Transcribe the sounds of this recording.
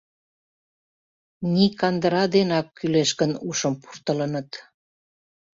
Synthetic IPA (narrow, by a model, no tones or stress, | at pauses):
nikɑnd̪əɾɑd̪enɑkːyleʃkənuʃəmpu̥rt̪ələnət̪